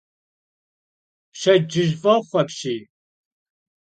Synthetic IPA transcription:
pɕɐd͡ʒɪʒvɐχʷɐpɕiː

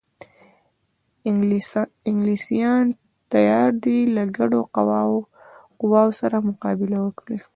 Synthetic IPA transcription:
ɪŋɡlisijɑn | t̪ajɑɾd̪ilaɡaɖoqaw | qʊwɑwosaɾamʊqɑbɪlawəkɽi

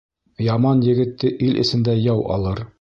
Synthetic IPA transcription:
jɑmɑnjɘ̆ɡɘ̆t̪ːɘʔilʔɘ̰̆sɘ̆nd̪æjɑwʔɑ̰lˠɤɾ

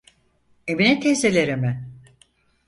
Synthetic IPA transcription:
eminɛt̪ʰezelʲeɾimɪ

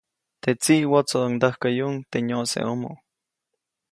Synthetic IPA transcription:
t̪et͡siʔwot͡soond̪əhkajuŋt̪eɲosḛʔomo̰

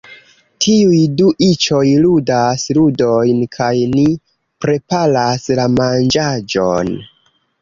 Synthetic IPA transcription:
tʰiujduʔit͡ʃo̞jludasludo̞jnkʰajni | pɾe̞palaslamand͡ʒad͡ʒo̞n

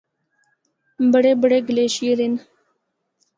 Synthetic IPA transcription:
bəɽeːbəɽeːɡleːɕeɾin

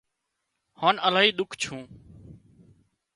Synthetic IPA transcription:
haːnəlaːɦiːɗ̪ʊkʰt͡ʃʰũː

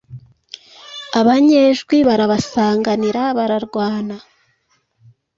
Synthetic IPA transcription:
aβaɲeːʒɡwiβaɾaβasaːŋɡaniɾaβaɾaɾɡwaːna

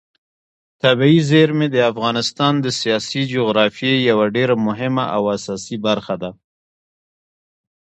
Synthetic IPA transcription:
t̪abiizeɾmed̪əafɣɑnɪst̪ɑnd̪əsijɑsid͡ʒoɣɾɑfjejawaɖeɾamʊɦɪmaʔawasɑsibaɾxad̪a

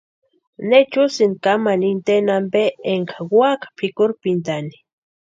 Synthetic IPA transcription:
net͡ʃusinkamanint̪enambeeŋkʰaɡwakḁpʰikuɾpint̪ani̥

